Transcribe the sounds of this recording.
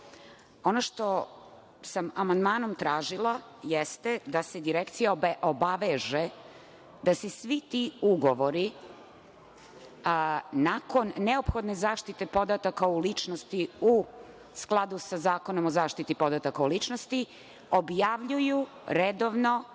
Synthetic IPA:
o̞noʃt̪o̞ | samamand̪maːno̞mt̪ɾaːʒilˠa | jest̪ed̪ased̪iɾekt̪sijaobaʋeʒe | d̪asesʋit̪iuɡo̞ʋoɾi | nako̞nːeo̞pxo̞d̪nezaːʃt̪it̪e̞po̞d̪at̪akaulit͡ʂnost̪iu | sklˠad̪usazaːko̞no̞mozaːʃt̪it̪ipo̞d̪at̪akaulit͡ʃnost̪i | objaʋʎuju | ɾed̪oʋno̞

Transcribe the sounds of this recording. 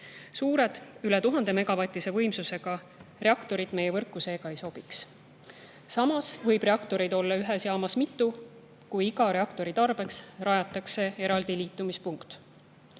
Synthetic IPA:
suːɾe̞d̪̥ylɛt̪uɦɑnd̪̥e̞me̞ɡ̥ɑvɑt̪ʲːˑise̞vɤ̞jmsuse̞ɡ̥ɑ | re̞ɑkt̪o̞ɾid̪̥me̞jevɤrkːˑuseɡ̥ɑejso̞b̥iks | sɑmɑsvɤjb̥re̞ɑkt̪o̞ɾid̪̥o̞lːɑyɦesjɑːmɑsmit̪ːˑu | kujiɡɑɾe̞ɑkt̪o̞ɾit̪ɑrb̥e̞ksrɑjɑt̪ːˑɑkse̞e̞ɾɑld̪̥iliːt̪ːˑumispuŋkt̪

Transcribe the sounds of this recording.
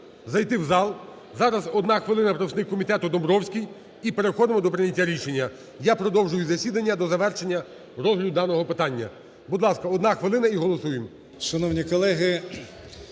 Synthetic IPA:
zɐjt̪ɪwzɑlˠ | zɑɾɐzɔd̪nɑxʋɪlˠɪnɐpɾɔsnɪkkːɔmʲit̪ɛt̪ʊd̪ɔmbɾɔwsʲkʲij | ipe̞ɾexɔd̪ɪmɔd̪ɔpɾɪnʲɐtʲːaɾʲiʃe̞nʲːɐ | japɾɔd̪ɔwʒʊjʊzɐsʲid̪ɐnʲːɐd̪ɔzɐʋɛrʃe̞nʲːɐ | ɾɔzɦlʲɐd̪ʊd̪ɑnɔɦɔpɪt̪ɑnʲːɐ̰ | bud̪lˠɑskɐɔd̪nɑxʋɪlˠɪnɐiɦɔlˠɔsujem | ʃɐnɔwnʲikɔlˠɛɦɪ

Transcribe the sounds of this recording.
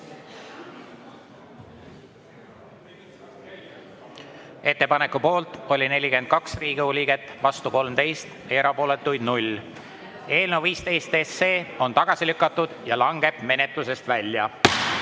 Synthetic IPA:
e̞t̪ːepɑne̞kːupo̞ːlt̪ˑo̞lʲine̞lʲikyend̪̚kɑksriːɡ̥iulʲiɡ̥e̞t̪ːˑvɑst̪uko̞lmt̪e̞jst̪eɾɑpo̞ːle̞t̪ːˑujd̪̚nulʲ | e̞ːlnewviːst̪e̞jst̪e̞sːeːo̞nt̪ɑɡ̥ɑsilykːˑɑt̪ːˑud̪̥jɑlɑŋɡ̥e̞b̥me̞ne̞t̪ˑluse̞st̪vælʲjɑ

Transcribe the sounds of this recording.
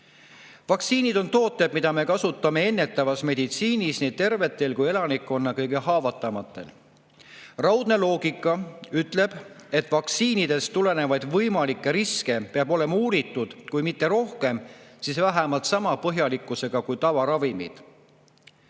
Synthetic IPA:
vɑksiːnid̪o̞nt̪o̞ːt̪ːˑed̥̪̚mid̪ɑme̞kɑsut̪ːˑɑme̞e̞nːe̞t̪ːˑɑvɑsme̞d̪it̪siːnisnit̪e̞rve̞t̪ːˑe̞lkuje̞lɑnikːˑo̞nːɑkɤjɡe̞hɑːvɑt̪ːˑɑmɑt̪ːˑe̞̰l | rɑwd̪̥ne̞lo̞ːɡikːˑɑyt̪ːˑle̞b̥e̞t̪ːˑvɑksiːnid̪̥e̞st̪ule̞ne̞vɑjd̪̥vɤjmɑlikːˑe̞ɾiske̞peɑbo̞le̞mɑuːɾit̪ːˑud̪̥kujmit̪ːe̞ɾo̞hke̞msisvæɦæmɑlt̪sɑmɑpɤɦjɑlikːˑuse̞ɡ̥ɑkujt̪ɑvɑɾɑvimḭd̪̥

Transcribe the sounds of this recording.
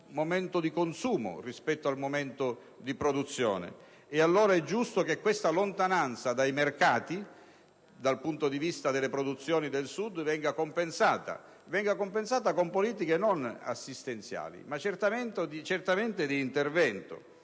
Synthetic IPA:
momɛnt̪od̪ikonsuːmo̰rispɛt̪ːoalmoment̪o | d̪ipɾod̪ut̪sːjɔ̰ːnḛ | ealːoːɾaɛd͡ʒːust̪okekːwest̪alont̪anant̪sad̪ajmerkaːt̪i | d̪alpunt̪od̪ivist̪ad̪elːepɾod̪ut̪sːjɔːnid̪elsud̪vɛŋɡakompensaːt̪a̰ | vɛŋɡakompensaːt̪̬akompoliːt̪ikenona̰sːist̪ent̪sja̰ːlḭmat͡ʃert̪ament̪od̪it͡ʃɛrt̪ament̪ɪd̪iːnt̪ervɛnt̪o̰

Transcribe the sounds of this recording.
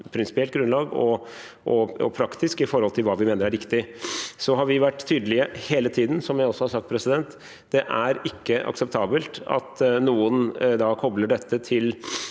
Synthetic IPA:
pʰɾɪnsɪ̥pɪɛlt̪ɡɾʉnlɑːɡɔ | ʔɔɔpʰɾɑkt̪ɪskɪfɔɾhɔlt̪ʰɪlʋɑːʋɪmeːnəɾæɾɪkt̪ɪsɔɦɑɾʋɪʋæʈːt̪ʰyːd̪əlɪəheːlət̪ʰiːd̪n̩sɔmjæɪɔsːɔhɑɾsɑk̚t̪pʰɾɛsɪd̪ɛnt̪ | d̪̥ɛʔæɾɪkːəʔɑ̰ksɛp̚t̪ʰɑːbəlt̪ɑ̰t̪nuːənd̪ɑkʰɔbləɖɛt̪ːət̪ʰɪl

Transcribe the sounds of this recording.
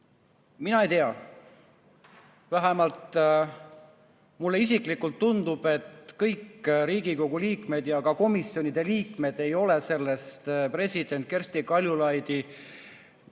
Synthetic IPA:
minɑejt̪e̞ɑ | væɦemɑlt̪ | mulːe̞is̬iklikːˑult̪ːund̪ub̥e̞t̪kɤjkɾiːɡiko̞ɡ̥uliːkme̞d̪̥jɑkɑko̞misjo̞nid̪̥e̞liːkme̞d̪̥e̞jo̞le̞se̞lːe̞st̪pre̞sʲid̪̥e̞nt̪̚ke̞rsʲt̪ikɑlʲjulɑjd̪̥i

